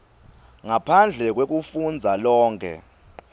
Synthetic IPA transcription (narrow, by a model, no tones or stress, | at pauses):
ŋapʰand͡ɮʱɛk̬wek̬ufund͡zʱalɔːŋkʰɛ̰